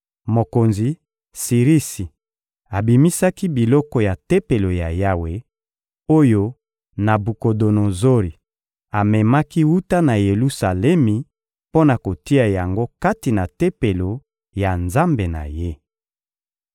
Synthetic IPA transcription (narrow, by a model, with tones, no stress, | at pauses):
mo˨ko˨nzi˨ | si˨ʁi˦si˨ | a˨bi˨mi˦sa˦ki˦bi˨lɔ˦kɔ˨ja˨te˦pe˨lo˨ja˨ja˦we˨ | o˦jo˦ | na˨bu˨ko˨do˨no˨zo˦ʁi˨ | a˨mɛ˨ma˦ki˦wu˦ta˦na˨je˨lu˦sa˨lɛ˦mi˨ | po˦na˨ko˨ti˦a˨ja˨ŋɡo˦ka˦ti˨na˨te˦pe˨lo˨ | ja˨nza˦mbe˨na̰˨je˦